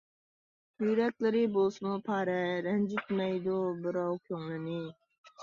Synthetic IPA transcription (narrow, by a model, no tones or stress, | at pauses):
yɾɛkʲlɪɾɪbosɨmupʰɑːɾɛɾɛnd͡ʒit̪mɛjd̪ubɪɾɑwkʲʰøŋlˠɨnɪ